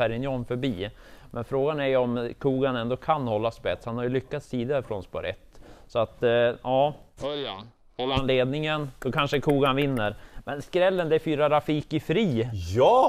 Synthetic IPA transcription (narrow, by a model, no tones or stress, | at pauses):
ɛɾɪnjɔnfœɾbiː | mʔɛnfɾoːɡanæɾjɵɔmkʰuːɡanɛnd̪ɔkʰanhɔlːaspɛt̪shanhaɾjɵlʏkːat̪siːd̪aɾfɾo̰ːnspɔ̰ɾɛ̰t̪ːsɔat̪ʔɑː | nleːd̪nɪŋəndɔkʰanʂəkʰuːɡanvɪnːəɾmʔɛnskɾɛlːənd̪ɛæfyːɾaɾafiːkɪfɾiːjː